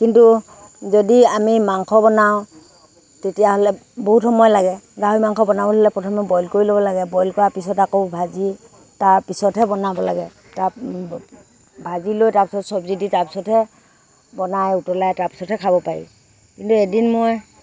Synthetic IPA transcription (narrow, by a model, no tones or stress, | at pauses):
kintu | zɔdiamimaŋkʰɔbɔnaw | tetijaɦɔlɛboɦuthɔmɔjɔlaɡɛɡaɦujmaŋkʰɔbɔnabɔɦɔlɛpɹɔtʰɔmɛbɔjlkoɹilobɔlaɡɛbɔjlkɔɹapisɔtakobʱazi | taɹpisɔtɦɛbɔnabɔlaɡɛ | ta | bʱazilojtaɹpisɔtsɔbziditaɹpi̥sɔthɛ | bɔnajutɔlajtaɹpi̥sɔthɛkʰabɔpaɹḭ | kintuedinmoj